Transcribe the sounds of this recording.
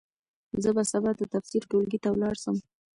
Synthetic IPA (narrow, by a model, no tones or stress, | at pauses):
zəbasabaɾd̪ət̪afsiɾʈolɡit̪awlɑɽsəm